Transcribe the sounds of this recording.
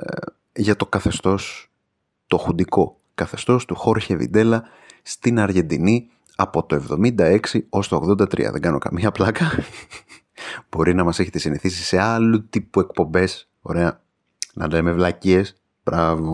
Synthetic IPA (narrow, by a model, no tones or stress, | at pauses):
ʝɐt̪o̞kɐθe̞st̪o̞s | t̪o̞xund̪iko̞ | kɐθe̞st̪o̞st̪uxo̞ɾçevḭd̪e̞lɐ | st̪inɐɾʝe̞nd̪ini | ɐpo̞t̪oe̞vðo̞mind̪ɐe̞ksio̞st̪ooɣðo̞nd̪ɐt̪ɾḭɐ̰ðe̞ŋɡɐno̞̰kɐ̰miɐplɐkɐ | b̥o̞ɾinɐmɐse̞çe̞t̪esiniθisise̞ɐlut̪ipue̞kpo̞mbe̞s | o̞̰ɾe̞ɐ | nɐ̰le̞mevlɐcies | b̥ɾɐvo